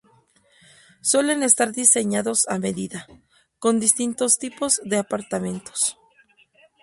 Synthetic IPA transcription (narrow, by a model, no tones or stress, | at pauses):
swe̞le̞ne̞st̪aɾðise̞ɲaðo̞same̞ðiða | ko̞nd̪ist̪int̪o̞st̪ipo̞zðe̞apaɾt̪amẽ̞nt̪o̥s